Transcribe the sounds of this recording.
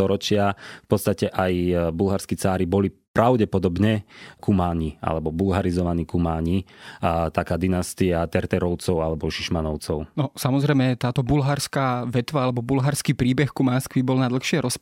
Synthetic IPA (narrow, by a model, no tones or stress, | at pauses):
t̪ɔɾɔt͡ʃɪafpɔt̪st̪acɛʔajbulɦaɾskit͡saːɾibɔlipɾaʊɟɛpɔd̪ɔbɲɛkʰumaːɲiʔa̰lɛbɔbulɦaɾizɔʋaniːkumaːɲi | t̪akaːd̪inast̪iat̪ɛɾt̪ɛɾɔʊt͡sɔʊalɛbɔʃiʃmanɔʊt͡sɔʊnɔsamɔzɾɛjmɛt̪aːt̪ɔbulɦaɾskaːʋɛt̪ʋaalɛbɔbulɦaɾskiːpɾiːbɛxkumanskʋibɔlnad̪l̩ˠxʃɪɛɾɔs